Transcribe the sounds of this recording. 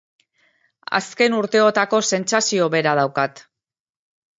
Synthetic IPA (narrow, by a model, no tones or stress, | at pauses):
a̰ske̞nuɾt̪e̞o̞t̪ako̞se̞nsasio̞βe̞ɾað̞awkat̪